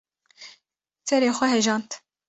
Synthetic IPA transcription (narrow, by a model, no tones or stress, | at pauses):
t̪ʰɛɾeːxʷɛɦɛʒɑːnt̪